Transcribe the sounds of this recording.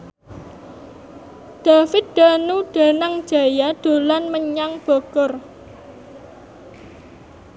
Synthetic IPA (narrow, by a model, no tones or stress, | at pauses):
d̪̥a̤fɪt̪̚d̪̥anuɖ̥a̤naŋ̥d͡ʒ̥a̤jaɖ̪̥o̤lanməɲaŋb̥ɔɡ̥ɔr